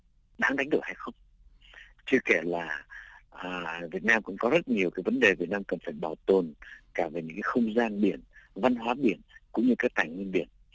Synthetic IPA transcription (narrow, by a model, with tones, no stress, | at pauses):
ɗaː˨˦ŋɗa˨˦ŋ̟ɗɨ˨˩əha˧jxə˧wŋ͡m | t͡ɕɨ˧əke˧˩laː˨˩ʔəː˨˩vi˨˩ət̚naː˧mkʊ̰˧˥ŋ͡mkɔ˨˦zə˦˥t̚ɲi˨˩əwkaː˨˦jvə˨˦nɗe˨˩vi˨˩ət̚naː˧mkə˨˩nfaː˧˩jɓaː˨˩wt̪o˨˩nkaː˧˩ve˨˩ɲɨ̰˧˥ŋkaː˨˦xə˧wŋ͡mzaː˧nɓḭ˧˩ənva˧nɦwaː˨˦ɓi˧˩ənkʊ̰˧˥ŋ͡mɲɨ˧kaː˨˦˥k̚t̪aː˧˩ŋŋwi˧ənɓi˧˩ən